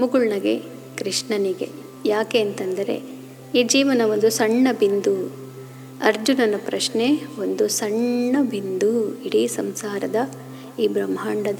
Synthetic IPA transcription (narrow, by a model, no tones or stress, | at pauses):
muɡuɭnɐɡe | kɾiʂɳɐniɡe | jaːkeɐnt̪ɐnd̪ɐɾe̞̰ | iːd͡ʒiːʋɐnɐʋo̞nd̪usɐɳːɐbind̪u | ɐɾd͡ʒunɐnɐpɾɐʂneʋond̪usɐɳːɐbʱind̪uiɽisɐmsaːɾɐd̪ɐ | iːbɾɐmɦaːɳɖɐd̪